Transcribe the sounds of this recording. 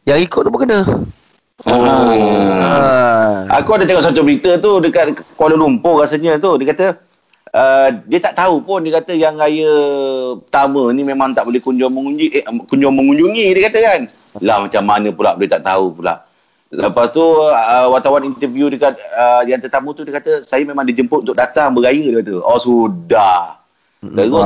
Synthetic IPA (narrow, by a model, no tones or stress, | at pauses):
jaŋikʊt̪̚ubəkənə | o | a̰kuadət̪eŋɔʔsat̪̬ubəɾit̪ət̪udəkat̪̚kwaləlumpʊɾasəɲə̃t̪udiəkat̪ə | ədiət̪aʔt̪aupʊndiəkat̪əjaŋajəpt̪amənimẽmaŋt̪aʔbolɛhkuɲd͡ʒɔŋməŋukuɲd͡ʒɔŋmə̃ŋuɲd͡ʒuŋidiəkat̪əkan | lahmat͡ʃamːanə̃pula̰ʔbolet̪aʔt̪a̰upula̰ʔ | ləpast̪uəwat̪awanint̪əvjudəkat̪̚əjaŋt̪ət̪amut̪udiəkat̪əsajəmemaŋdid͡ʒəmpʊt̪ʔnt̪uk̚dat̪aŋbəɡajələat̪uɔsudah | t̪əɡɔ